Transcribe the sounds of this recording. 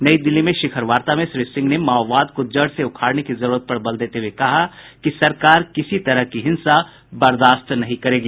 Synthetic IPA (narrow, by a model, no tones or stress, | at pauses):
nɐid̪ɪlːimẽʃɪkʰəɾʋaːɾt̪amẽʃɾiːsɪ̃ŋɡnemaːɔʋaːd̪kod͡ʒɐɽseʊkʰaːɽnekizɐɾuːɾət̪̚pɐɾbɐld̪eːt̪eɦwekɐɦa | kisɐɾkaːɾkɪsit̪ɐɾəɦkiɦɪ̃nsa | bɐɾd̪aːst̪nɐɦĩkɐɾeːɡiː